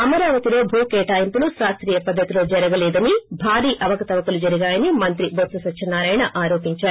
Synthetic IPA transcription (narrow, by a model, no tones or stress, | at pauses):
ɐmɐɾaːʋɐt̪ilo̞ːbʱuːkeːʈaːjimpuluʃɾaːst̪ɾiːjɐpɐd̪ʱːɐt̪ilo̞ːd͡ʒɐɾɐɡɐlɛːd̪ɐnibʱaːɾiːʔɐʋɐkɐt̪ɐʋɐkulud͡ʒɐɾiɡaːjɐnimɐnt̪ɾibʱot̪sɐsɐtʃʰɐnːaːɾaːjɳɐʔaːɾo̞ːpiɲt͡ʃaːɾu